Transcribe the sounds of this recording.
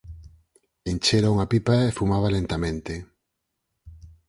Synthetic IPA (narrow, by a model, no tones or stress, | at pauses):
ent͡ʃeɾauŋapipaefumaβalent̪amẽnt̪e